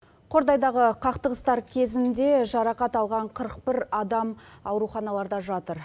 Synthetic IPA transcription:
qʰo̞ɾd̪ɑjd̪ɑʁəqʰɑqt̪əʁəst̪ɑɾkʲʰe̞zɪnd̪e̞ʒɑɾɑqɑt̪ɑlˠʁɑɴqʰəɾəq̚pɪɾɑd̪ɑmɑwɾuχɑnɑlˠɑɾd̪ɑʒɑt̪əɾ

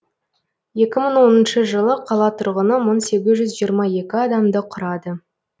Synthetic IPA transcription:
je̞kʲɪməɴwo̞nənʃəʒəlˠəqʰɑlˠɑt̪ʰʊɾʁənəməɴse̞ɡʲɪzʒʏzʒijəɾmɑje̞kʲɪɑd̪ɑmd̪əqʰʊɾɑd̪ə

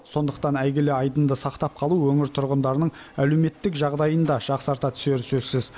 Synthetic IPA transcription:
so̞nd̪əqt̪ɑnæjɡʲeleɑjd̪ənd̪əsɑqt̪ɑp̚qʰɑlˠuwɵŋɪɾt̪ʰʊɾʁənd̪ɑɾnəɴ | æle̞wme̞t̪ːɪkʒɑʁd̪ɑjənd̪ɑʒ̥ɑqsəɑɾt̪ɑt̪ʰʏ̥se̞ɾɪsɵzsɪz̥

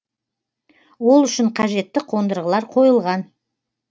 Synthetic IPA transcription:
wo̞lˠʏʃɪɴqʰɑʒe̞t̪ːɪqʰo̞nd̪əɾʁəlˠɑɾqʰo̞jəlˠʁɑn

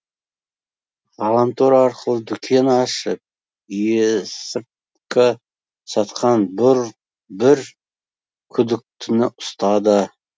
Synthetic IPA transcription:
ʁɑlˠɑnt̪oɾɑɾqəlˠəd̪ʏkʲʰe̞nɑʃəp̚ | jesɪp | kʲɪ | sɑt̪qʰɑnbʊɾ | bɪɾ | kʲʰʏd̪ɪk̚t̪ʰɪnɪʔʊ̥st̪ɑd̪ə

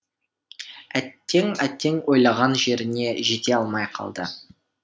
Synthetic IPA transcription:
æt̪ːe̞ŋæt̪ːe̞ŋwo̞jlˠɑʁɑnʒe̞ɾɪne̞ʒe̞t̪e̞ɑlˠmɑjqʰɑ̰lˠd̪ə̰

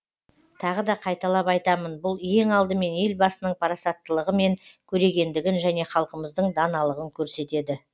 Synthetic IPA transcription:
t̪ʰɑʁəd̪ɑqʰɑjt̪ɑlˠɑpɑjt̪ɑmənbʊlˠje̞ŋɑlˠd̪əme̞ne̞lbɑsənəɴpʰɑɾɑsɑt̪ːəlˠəʁəme̞ŋkʲʰɵɾe̞ɡʲe̞nd̪ɪɡʲɪnʒæne̞χɑlˠqəməzd̪əɴd̪ɑnɑlˠəʁəŋkʲʰɵɾse̞t̪e̞d̪ɪ

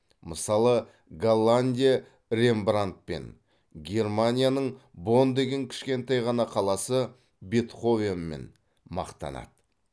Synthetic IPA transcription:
məsɑlˠə | ɡalˠːanʲd̪ʲija | ɾe̞mbrant̪̚pe̞̰n | ɡʲe̞rmanʲijanəɴbo̞nd̪e̞ɡʲe̞ŋkʲʰɪ̥ʃkʲe̞nt̪ɑjʁɑnɑqʰɑlˠɑsə | bet̪χo̞venme̞̰n | mɑ̰qt̪ɑ̰nɑ̰d̪̥

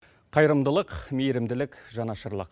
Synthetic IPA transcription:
qʰɑjɾəmd̪əlˠəqmejɾɪmd̪ɪlɪkʒɑnɑʃəɾlˠə̰q

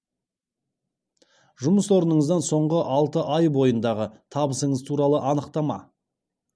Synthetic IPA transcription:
ʒʊməswo̞ɾənəɴəzd̪ɑnso̞ɴʁəʔɑlˠt̪əʔɑjbo̞jənd̪ɑʁət̪ʰɑbəsəɴəzt̪ʰuɾɑlˠəʔɑnəqt̪ɑmɑ̰

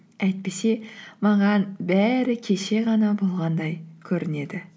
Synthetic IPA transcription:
æjt̪̚pe̞se̞mɑʁɑnbæɾɪkʲʰe̞ʃe̞ʁɑnɑbo̞lˠʁɑnd̪ɑjkʲʰɵɾɪne̞d̪ɪ

